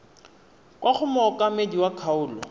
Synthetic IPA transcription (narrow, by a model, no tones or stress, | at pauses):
kʼwaχʊmɔɔkʼamediwakʰaʊːlɔ